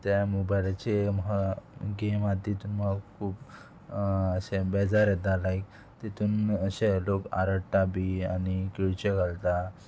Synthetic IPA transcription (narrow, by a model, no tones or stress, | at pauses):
t̪jamubajlat͡ɕemɦaɡemat̪it̪uːnmaakʰuːp | əɕebɛd͡zaɾet̪̚alajk̚ | t̪et̪uːnəɕeloka̰ɾəɽʈabiaɽ̃ikiɭt͡ɕeɡʱalt̪a